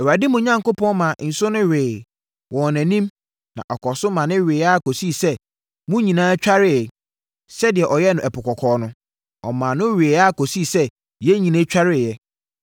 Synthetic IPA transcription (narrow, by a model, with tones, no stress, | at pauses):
ɛ˨wa˨dɪ˦mʊ̃˨ɲã˦ŋkʊ˦pʰɔ̃˦nmã˨n̩˨sʊ˦nʊ̃˦ɥeː˨ | wʔɔ̃˨næ̃˨nĩ˦m | nã̰˨ʔɔ˨kɔ˨sʊ˦mã˨nɪ̃˦ɥe˨a˦˨ko˨si˦˨sɛ˦ | mʊ̃˦ɲĩ˨nãː˦t͡ɕᶣa˦ɾɪ˦˨ | sɛ˦dɪ˨ɛ˨ʔɔ˨jɛ˦nʊ̃˨ʔɛ˨pʊ˨kʰɔ˨kʰɔː˨˦nʊ̃˦ | ɔ˨mã˨nʊ̃˦ɥe˨a˦˨ko˨si˦˨sɛ˦ | jɛ˦ɲĩ˨nẽ˦t͡ɕᶣa˦ɾɪ˨jɛ˦